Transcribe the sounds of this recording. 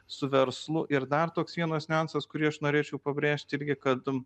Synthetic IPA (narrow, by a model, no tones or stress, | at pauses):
sʊʋʲɛɾslˠʊʔɪɾd̪ɐrt̪oːksʋʲiɛnoːsʲnʲɛɑnsɐskʊɾʲiːɐʃnoːɾʲeːt͡ʃʲɛʊpɐbʲɾʲeːʃʲt̪ʲɪɾʲɡʲɪkɐt̪